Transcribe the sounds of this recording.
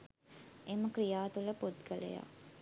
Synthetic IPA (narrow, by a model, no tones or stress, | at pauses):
eməkɾijaːt̪uləpod̪ɡələ̰ja̰